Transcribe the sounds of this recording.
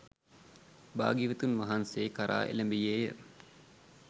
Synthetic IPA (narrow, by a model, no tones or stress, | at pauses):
ba̰ːɡiʋət̪unʋaɦanseːkaɾʔa̰ːʔḛlæmbijeːjə